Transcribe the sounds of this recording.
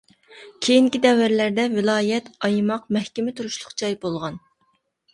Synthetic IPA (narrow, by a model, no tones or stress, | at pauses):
kʲʰejiŋkʲid̪ɛwːæɾlæɾd̪ɛvɪlˠɑːjɛt̪ɑjmɑqmɛhkʲɪmɪt̪ʰuɾuʃlˠʊqt͡ʃʰɑjbolˠʁɑn